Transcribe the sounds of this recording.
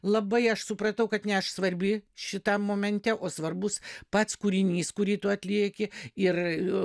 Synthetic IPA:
lˠɐbɐɪɐʃsʊprɐt̪ɐʊkɐt̪nʲɛɐʃsʋɐɾʲbʲɪʃʲɪt̪ɐmːoːmʲɛnʲt̪ʲɛʔoːsʋɐrbʊspɑt̪skuːɾʲɪnʲiːskʊɾʲiːt̪uɐt̪ʲlʲiɛkʲɪɪr

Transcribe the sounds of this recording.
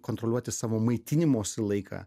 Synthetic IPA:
kont̪ɾolʲuɔt̪ʲɪsɑːʋoːmɐɪt̪ʲɪnʲɪmoːsʲɪlˠɐɪkʰɑ̰ː

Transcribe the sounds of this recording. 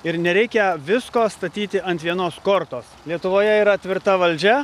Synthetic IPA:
ɪɾnʲɛɾʲɛɪkʲɛʋʲɪskoːst̪ɐt̪ʲiːt̪ʲɪʔɐnt̪ʲʋʲiɛnoːskoːɾt̪oːslʲiɛt̪ʊʋoːjɛiːɾɐt̪ʲʋʲɪɾt̪ɐʋɐlʲd͡ʒʲɛ

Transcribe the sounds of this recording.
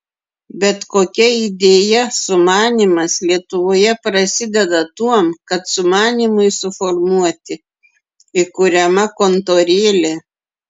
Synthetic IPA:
bʲɛt̪koːkʲɛɪd̪ʲeːjɛsʊmɑːnʲiːmɐslʲiɛt̪ʊʋoːjɛpɾɐsʲɪd̪ʲɛd̪ɐt̪uɔmkɐt̪sʊmɑːnʲiːmʊɪsʊfɔɾmuɔt̪ʲɪ | ɪkʊɾʲɛmɐkont̪oːɾʲeːlʲe

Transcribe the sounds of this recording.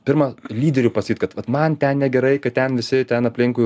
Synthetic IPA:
pʲɪrmɐlʲiːd̪ʲɛɾʲʊpɐsɐkʲiːt̪kɐt̪ʋɐt̪mɐnt̪ʲɛnnʲɛɡʲɛɾɐɪkɐttʲɛnʋʲɪsʲɪt̪ʲɛnɐpʲlʲɪŋkʊɪ

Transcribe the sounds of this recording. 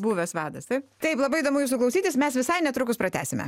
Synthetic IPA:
buːʋʲɛsʋɑːd̪ɐst̪ɐɪpt̪ɐɪplˠɐbɐɪid̪oːmʊjusʊklˠɐʊsʲiːt̪ʲɪsmʲɛsʋʲɪsɐɪnʲɛt̪ɾʊkʊspɾɐt̪ʲæ̰ːsʲɪmʲɛ̰

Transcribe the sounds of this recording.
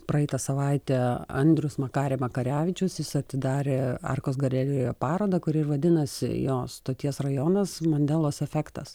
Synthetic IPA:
pɾɐɛɪt̪ɐsɐʋɐɪt̪ʲeːɐ̰nʲd̪ʲɾʲʊsmɐkɑːɾʲeɛːmɐkɐɾʲæːʋʲɪt͡ʃʲʊsjɪsɐt̪ʲɪd̪ɑːɾʲeːɑ̰rkoːs̬ɡɐrʲɛlʲeojoːpɑːɾoːd̪ɐkʊɾʲɪrʋɐd̪ʲɪnɐsʲɪ̰joːst̪oːt̪ʲiɛsrɐjoːnɐsmɐnʲd̪ʲɛlˠoːsɛfʲækt̪ɐs

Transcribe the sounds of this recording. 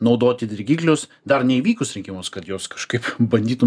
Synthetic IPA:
nɒʊd̪oːt̪ʲɪd̪ʲɪɾʲɡʲiːklʲʊs | d̪ɐrnʲɛiʋʲiːkʊsɾʲɪŋʲkʲɪmʊskɐt̪joːskɐ̥ʃkɐɪpbɐnʲd̪ʲiːt̪ʊm

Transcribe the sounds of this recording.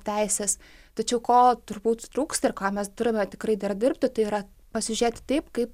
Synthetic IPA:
t̪ʲɛɪsʲeːs | t̪ɐt͡ʃʲɛʊkoːt̪ʊɾbuːt̪t̪ɾuːkst̪ɪrkaːmʲɛsd̪ʲʊɾʲɪmʲɛt̪ʲɪkrɐɪd̪ɐrd̪ʲɪɾʲpʲt̪ʲɪt̪ɐɪiːɾɐ | pɐsʲɪʒʲɾʲeːt̪ʲɪ̥t̪ɐɪpkɐɪp

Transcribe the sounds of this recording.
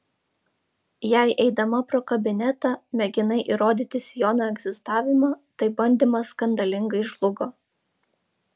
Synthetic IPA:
jæɪʔɛɪd̪ɐmɐpɾoːkɐbʲɪnʲɛt̪ɑːmʲɛɡʲɪnɐɪʔiɾoːd̪ʲiːt̪ʲɪsʲjoːnoːɛɡzʲɪst̪ɑːʋʲɪmɑt̪ɐɪbɐnʲd̪ʲiːmɐskɐnd̪ɐlʲɪŋɡɐɪʒlˠʊɡoː

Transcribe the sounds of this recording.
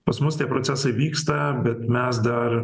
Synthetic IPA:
pɐsmʊst̪ʲiɛpɾosʲæsɐɪʋʲiːkst̪ɐbʲɛt̪mʲɛsd̪ɐɾ

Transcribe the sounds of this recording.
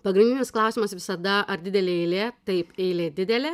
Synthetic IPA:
pɐɡɾʲɪnʲdʲɪnʲɪsklˠɐˑʊsʲimɐsʋʲɪsɐd̪ɐɐɾd̪ʲɪd̪ʲɛlʲeːɛɪlʲeːt̪ɐɪpeːlʲeːd̪ʲɪd̪ʲɛlʲɛː

